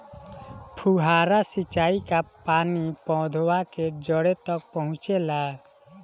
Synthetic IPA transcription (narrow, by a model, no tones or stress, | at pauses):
pʰuɦaːɾasɪt͡ʃaːikapaːnipɔ̃ːd̪ʱowaked͡ʒɔɽet̪ɔk̚pəɦʊ̃t͡ʃela